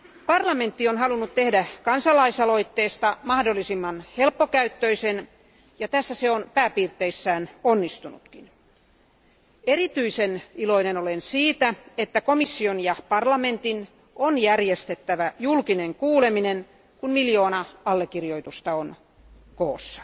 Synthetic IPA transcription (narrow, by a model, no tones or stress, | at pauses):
pɑrlɑme̞nt̪ːionhɑlunːut̪t̪ehdækɑnsɑlɑisɑlo̞it̪ːeːst̪ɑmɑhdolːisimːɑnhelpːokæyt̪ːøisen | jɑt̪æsːæseonpæːpiːrt̪ːˑeisːæːnonːist̪unṵt̪kin | eɾit̪yiseniloinenolensiːt̪æet̪ːækomisːionjɑpɑrlɑment̪in | ʔonjærjest̪et̪ːæʋæjulkineŋkuːleminen | kunmiljoːnɑɑlːekːirjoit̪ust̪ɑon | koːsːɑ̥